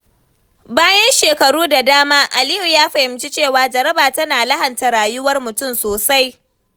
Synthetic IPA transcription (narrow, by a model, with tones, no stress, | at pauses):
baː˦jɐ˦nʃeː˨kɐ˨ɽuː˦da˨daː˦maː˦ʔa˨lɪ˦ju˨jaː˦ɸɐ˨hɪ˨mt͡ʃi˦t͡ʃeː˦˨waː˨d͡ʒɐ˨ɾɐ˦baː˨tɐ˦naː˨lɐ˦hɐ˨nta˨ɽaː˨jʊ˦wɐ˦rmʊ˨tʊ˦˨msoː˨sa˦j